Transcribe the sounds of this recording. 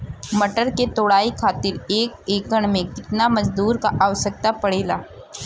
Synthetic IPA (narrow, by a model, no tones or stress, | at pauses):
mɐʈəɾket̪oːɽaːikʰaːt̪ɪɾeːk̚eːkəɽ̃mẽkɪt̪namɐzd̪uːɾkaʔaːʋsək̚t̪apɐɽeːlaː